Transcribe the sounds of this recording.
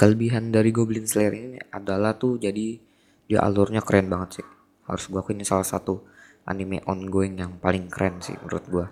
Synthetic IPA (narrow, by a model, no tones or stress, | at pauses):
kələbiɦandaɾiɡoblɪŋslɛɾinin̰adalaht̪ʊd͡ʒadi | dia̰ʔa̰lʊrɲakəɾɛnbaŋət̪̚sɪh | ha̰ɾʊsɡuakuinisalahsat̪u | ʔa̰nimḛʔɔnɡoɪŋjaŋpalɪŋkɾʔɛnsɪ̰hmə̰ɾʊ̰t̪̚ɡua